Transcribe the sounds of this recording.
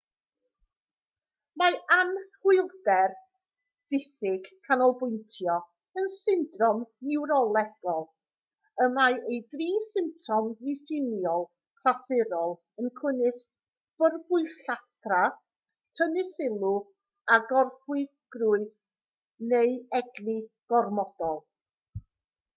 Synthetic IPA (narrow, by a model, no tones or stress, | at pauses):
maanhɪlˠdɛr | d̥ɪθɪɡ̥kʰːanɔlˠbʊɨntʰjɔ | ənsɪndrɔmnɪwɾɔlˠɛɡ̥ɔlˠ | əmaejdriːsɪmp̚tʰɔmɪfɪnjɔlˠ | kʰrasɪɾɔlˠ | ənkʰwɪnɪs | b̥ərbʊɨɬatʰra | tʰənɪsɪlˠʊ | aɡɔrχwɪ | ɡ̥ruːɨð | nejɛɡliɡ̥ɔrmɔdɔlˠ